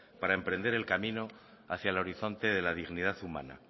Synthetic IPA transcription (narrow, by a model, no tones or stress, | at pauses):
paɾae̞mpɾe̞nd̪e̞ɾe̞lkamĩno̞ | aθjaelo̞ɾiθo̞nt̪e̞ðe̞laðiɣniðaθumã̰na̰